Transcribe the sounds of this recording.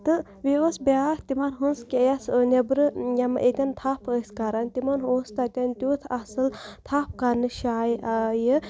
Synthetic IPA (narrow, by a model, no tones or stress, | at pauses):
t̪ɨ | ʋiosbʲaːht̪imɐnɦunskʲijasnebɾɨjɐmɐ̰ʔet̪ʲɐnt̪ʰapʰəːskaɾant̪imɐnɦoːst̪ɐt̪ʲɐnt̪ʲjuːt̪ʰɐsɨlt̪ʰap̚ʰkanɨʃaːjʔajə